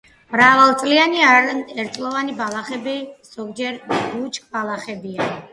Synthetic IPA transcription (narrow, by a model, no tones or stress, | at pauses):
mɾavalˠt̪sʼlianiɛɾt̪sʼlˠɔvanibalˠaχɛbiz̥ɔɡd͡ʒɛɾbut͡ʃʰʼkʼbalˠaχɛbia